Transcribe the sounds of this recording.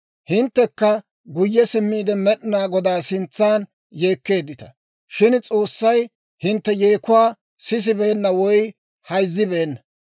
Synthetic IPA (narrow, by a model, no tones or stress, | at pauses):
hɪnt̪ːɛkːɐ | ɡʊjːɛsɪmːiːd̪ɛmɛɗɪnaːɡɔd̪aːsɪnt͡sːaːn | je̞ːkːe̞ːd̪ːɪt̪ɐ̥ | ʃɪnt͡sʼo̞ːsːɐj | hɪnt̪ːɛjeːkʊwaː | sɪs̬ɪbeːnːɐwɔj | hɐjzːɪbeːnːɐ